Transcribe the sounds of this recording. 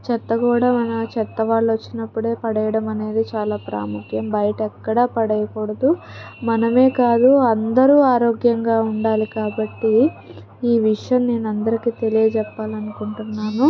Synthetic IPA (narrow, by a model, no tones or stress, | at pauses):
t͡ʃɛt̪ːɐkuːɽaːmɐnɐt͡ʃɛt̪ːɐʋaːɭːʋɐt͡ʃːinɐpːuɽe̞ːpɐɽɛjɐɽɐmɐne̞ːd̪it͡ʃaːlaːpɾa̰ːmukʰjɐmbɐjɐʈɐɛkːɐɽɐːpɐɽɐjɐkɔːɽɐd̪umɐnɐme̞ːkaːd̪uɐnd̪ɐɾuːaːɾo̞ːɡjɐŋɡaːuɳɖaːlikaːbɐʈːi | iːʋiʂjɐmne̞ːnɐnd̪ɐɾikiːt̪e̞lijɐd͡ʒɛpːaːlɐnukuɳʈunːaːnu